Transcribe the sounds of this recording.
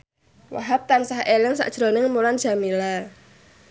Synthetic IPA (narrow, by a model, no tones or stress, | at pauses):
wa̰ɦap̚t̪ansahʔelɪŋsa̰ʔd̥ʒ̥ɾonɪŋmuland̥ʒ̥amila